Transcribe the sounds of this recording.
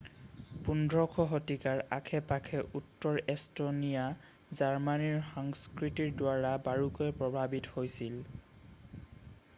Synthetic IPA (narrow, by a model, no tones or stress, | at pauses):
pundʱɹɔkʰɔɦɔtikaɹa̰kʰɛpakʰɛʔutːɔɹɛstonija | zaɹmaniɹxɔŋskɹitiɹdwaɹabaɹukojpɹɔbʱabithojsil